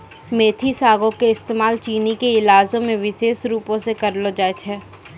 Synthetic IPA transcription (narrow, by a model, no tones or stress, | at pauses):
meːt̪ʰisaːɡõkeɪst̪eːmaːlt͡ʃiːnikeɪlaːzõmẽʋɪʃeːʃɾuːpõsekɐɾlod͡ʒaːt͡ʃʰɛː